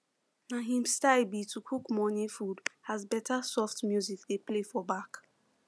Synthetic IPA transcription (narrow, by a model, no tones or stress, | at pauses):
naɦĩmstaɪbitʰukʰukmɔnifudhazbɛtasɔftmjuzikdeplefɔbak